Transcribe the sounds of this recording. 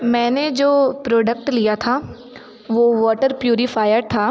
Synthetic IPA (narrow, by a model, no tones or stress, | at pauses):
mɛ̃ːned͡ʒoːpɾoːɖək̚ʈlijat̪ʰa | ʋoːʋɔːʈəɾpjuːɾifʰaːjəɾt̪ʰaː